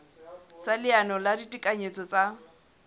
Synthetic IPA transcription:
salɪanɔladitʼikʼaɲet͡sʼɔt͡sʼa

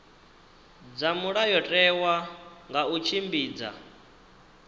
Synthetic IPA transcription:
d͡zamuɺajɔtʼɛwaŋɡaut͡ʃʰimbiːd͡za̰

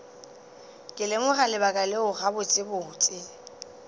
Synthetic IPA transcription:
kʼɪlemʊχalɪbakʼalɪʊχabʊt͡sʼɪbʊt͡sʼɪ

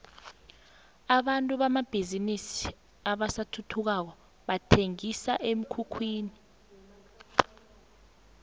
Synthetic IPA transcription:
aɓantʼuɓamab̥ʱizinisi̥ | aɓasatʰutʰuk̬ak̬ɔ | ɓatʰeŋisaʔem̩kʰukʰwiːni

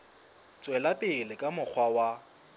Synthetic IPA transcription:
t͡sʼwɛlapʼɪlɪkʼamʊk͡xʰwawa

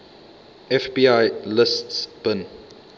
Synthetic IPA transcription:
ɛfbiajlɪstsb̥ən

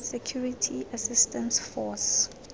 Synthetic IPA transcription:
sɛkʰjuɹitʰiasistʰɛ̃nsfɔs

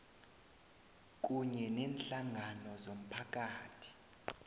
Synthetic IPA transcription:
k̬ʼuɲɛnɛːnɬaŋʱanɔzom̩pʰak̬ʼaːtʰi̥

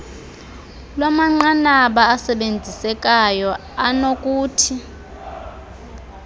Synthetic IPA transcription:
lwamaŋ͡ǀanaɓaːsɛɓend͡zʱisɛk̬ʼajɔ | anok̬ʼuːtʰi

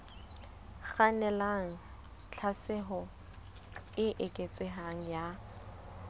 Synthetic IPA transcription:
χanɛlaŋ̩ | t͡ɬʰasɪɦɔ | ɪʔɪkʼet͡sʼɪɦaŋ̩ja

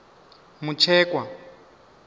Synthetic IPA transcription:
mut͡ʃʰɛːkwa

